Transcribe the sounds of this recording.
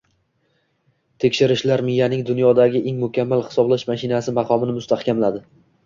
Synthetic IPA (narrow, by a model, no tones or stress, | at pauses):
t̪ʰe̞kʲʃɪɾɪʃlaɾmɪjanɪŋd̪ʊnjɒd̪aɡʲɪʔe̞ŋmʊkʲʰamːalˠhɪ̥sɒblaʃmaʃɪnasɪmɑqʰɒmɪnɪmʊst̪ʰahkʲʰamlad̪ɪ